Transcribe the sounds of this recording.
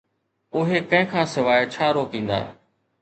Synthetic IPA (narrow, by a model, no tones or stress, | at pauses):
ʊɦekɐ̃ɦɪ̃kʰãːsɪʋaːjet͡ʃʰaːɾoːkĩːnd̪a̰ː